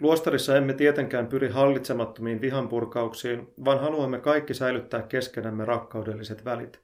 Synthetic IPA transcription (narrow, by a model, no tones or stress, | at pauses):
luo̞st̪ɑɾisːɑe̞mːe̞t̪iet̪e̞ŋk̟æːmpyɾiɦɑlːit̪se̞mɑt̪ːo̞miːnʋiɦɑmpurkɑuksiːnʋɑːnɦɑluɑmːe̞kɑjkːisæjlyt̪ːæːkːe̞sk̟e̞næmːe̞ɾɑkːɑwde̞lːise̞t̪ʋælḭt̪